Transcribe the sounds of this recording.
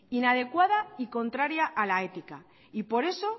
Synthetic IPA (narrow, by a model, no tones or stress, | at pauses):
inað̞e̞kwaðaiko̞nt̪ɾaɾjaʔːlae̞t̪ika | ipo̞ɾe̞so̞